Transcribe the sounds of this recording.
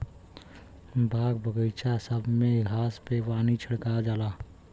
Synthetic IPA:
bʱaːɡbʱəɡəjt͡ʃʰasəbʱmẽɡʱaːspewaːnit͡ʃʰəɽkad͡ʒaːlaː

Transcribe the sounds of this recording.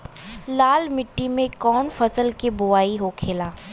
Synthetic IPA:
laːlmɪʈːimẽkɔːnfɐsəlkibʊaːiɦokʰeːlaː

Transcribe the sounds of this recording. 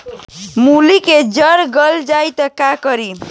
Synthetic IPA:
muliked͡ʒəɾɡəld͡ʒajt̪əkakʌɾi

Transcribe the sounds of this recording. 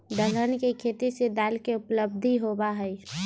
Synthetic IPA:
d̪əɡənkekʰeːt̪ised̪aːlkeʊpləb̚d̪ʱiɦobaɦɛi

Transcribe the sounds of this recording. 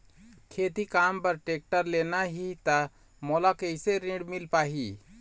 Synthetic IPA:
kʰet̪ikampəɾʈek̚ʈəɾlenaɦit̪ə | mɔlakeɪseɾĩɖmilpaɦi

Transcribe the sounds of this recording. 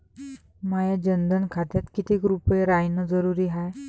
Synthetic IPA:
majad͡ʑənd̪ənkʰat̪jat̪kit̪iːkɾupjeɾajnəd͡zəɾuɾiːɦaj

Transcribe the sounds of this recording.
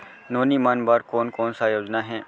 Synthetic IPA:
noːnimaːnbaːɾkoːnkoːnsajoːd͡ʒnaɦɛ̃ː

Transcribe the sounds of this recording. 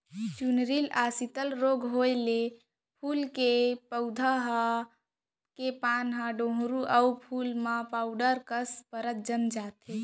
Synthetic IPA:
t͡ʃunɾilasit̪əlɾoɡɦojle | pʰulkepəʊd̪ʱaɦa | kepanɦãɖõɦɾuʔəupʰulmãpaʊɖəɾkəspəɾət̪̚d͡ʒəmd͡ʒat̪e

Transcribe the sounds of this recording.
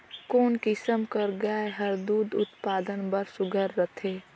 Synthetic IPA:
koːnkɪsəmkəɾɡaeɦəɾd̪uːd̪ʊ̰t̪paːd̪ənbəɾsʊɡʱəɾːət̪ʰeː

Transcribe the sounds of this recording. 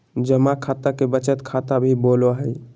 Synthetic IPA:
d͡ʒəmakʰat̪akebət͡ʃət̪kʰat̪abʱiboloɦəj

